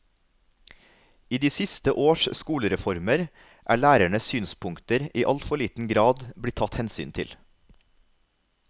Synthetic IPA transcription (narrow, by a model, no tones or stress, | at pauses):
iːd̪iːsɪst̪əʔoːʃskuːləɾɛfɔɾməɾ | ʔæ̰ːɭæːɾæɳəsyːnspʰʊŋkt̪əɾiːʔɑlt̪fɔɭiːt̪n̩ɡɾɑːd̪bɽɪt̪ʰɑt̪hɛnsy̰ːnt̪ʰɪ̰l